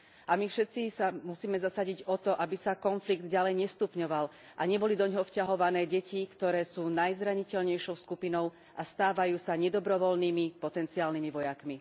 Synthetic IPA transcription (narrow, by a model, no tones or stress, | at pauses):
amifʃɛt̪t͡sisamusiːmɛzasaɟiɟɔt̪ɔʔabisakɔnfliɡd̪ɟalɛjɲɛst̪upɲɔʋal | ʔaɲɛbɔlid̪ɔɲɦɔfcaɦɔʋanɛːɟɛcikt̪ɔɾɛːsuːnajzɾaɲicɛlɲɛjʃɔʊskupinɔʊ | ast̪aːʋajuːsaɲɛd̪ɔbɾɔʋɔlniːmipɔt̪ɛnt͡siaːlnimiʋɔjakmi